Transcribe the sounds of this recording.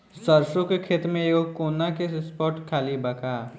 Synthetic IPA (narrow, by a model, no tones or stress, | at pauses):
sɐɾʃõkekʰeːt̪mẽeːɡokoːnakesspɔːʈkʰaːlibɐkaː